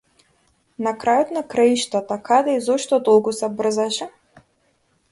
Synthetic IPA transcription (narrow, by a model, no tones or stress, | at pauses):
nakɾajɔt̪nakɾaiʃt̪at̪akad̪ɛizɔʃt̪ɔd̪ɔlˠkusɛbr̩zaʃɛ